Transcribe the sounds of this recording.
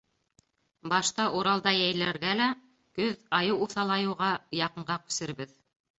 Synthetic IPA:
bɑʃt̪ɑʔuɾɑlˠd̪ɑjæjlæɾɡælæ | kɵðɑjɤwuθɑlˠɑjɤ̆wʁɑjɑqɤ̆ɴɢɑkʉ̥sɘ̆ɾbɘð

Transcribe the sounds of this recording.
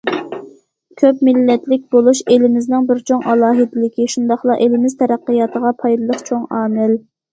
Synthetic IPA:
kʲʰøpmɪlːɛt̪lɪk̚ʲbolˠuʃelɪmɪznɪŋbɪɾt͡ʃʰoŋʔɑlˠɑːɦɨd̪ɪlɪkʲiʃund̪ɑχlˠɑʔelɪmɪzt̪ʰɛɾæqːijɑt̪ʰəʁɑpʰɑjd̪ɨlˠəqt͡ʃʰoŋɑːmɪl

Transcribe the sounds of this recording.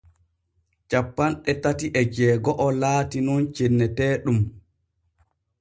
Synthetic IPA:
t͡ʃapːanɗɛtatiʔɛd͡ʒɛːɡɔʔɔlaːtinɔnt͡ʃenːɛtɛːɗum

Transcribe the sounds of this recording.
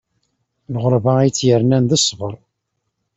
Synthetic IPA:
lʁəɾvajt͡sːjəɾnænðəsːvəɾˤ

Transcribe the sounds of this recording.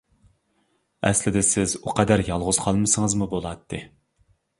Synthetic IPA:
ɛ̰slɪd̪ɪsɪzuqʰɛd̪æɾjɑlˠʁʊz̥qʰɑlˠmɨsɨŋɨzmubolˠɑt̪ʰːɨ

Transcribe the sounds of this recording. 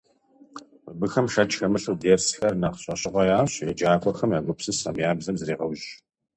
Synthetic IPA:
mɨbɨxɐmʃɐt͡ʃxɐmɨɬuwdeːrsxɐrnaqɕʼɐɕʼɪʁʷɐjaːɕjɛd͡ʒaːkʷʼɔxɐmjaːɡʷʊpsɨsa̰mjaːbzɐmzɨɾiːʁɐwʒ

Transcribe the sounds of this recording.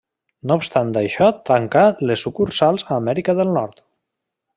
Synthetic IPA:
noupst̪and̪ajʃɔt̪ɾaŋkalesukuɾsalˠzaːmɛɾikəðəlˠnɔɾt̪

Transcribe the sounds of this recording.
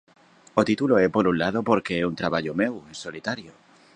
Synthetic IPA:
ot̪it̪uloepo̞ɾunlaðo̞po̞ɾke̞eunt̪ɾaβaʎome̞weso̞lit̪aɾjo

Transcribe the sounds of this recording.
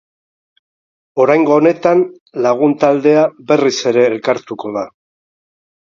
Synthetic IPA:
o̞ɾajŋɡo̞ːne̞t̪an | laɣ̞unt̪ald̪e̞abe̞rise̞ɾe̞ːlkaɾt̪uko̞ða

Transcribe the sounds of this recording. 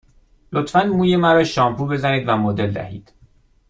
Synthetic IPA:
lot̪fænmuːjemæɾɒːʃɒːmpʰuːbe̞zæniːd̪væmod̪e̞ld̪æ̰hḭːd̪̥

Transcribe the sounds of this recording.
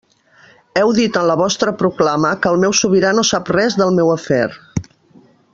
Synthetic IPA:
ɛwðit̪ənləβɔst̪ɾəpɾuklaməkəlˠmɛwsuβiɾanosaprɛzðəlˠmɛwəfɛɾ

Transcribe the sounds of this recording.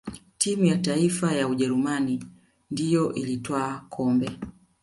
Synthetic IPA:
timujataifajauʄɛɾumani | ndijɔʔilitwaːkʰɔmbɛ

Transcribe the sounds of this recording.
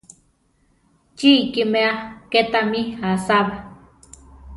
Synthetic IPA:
t͡ʃiːkimeaket̪amihasaβa

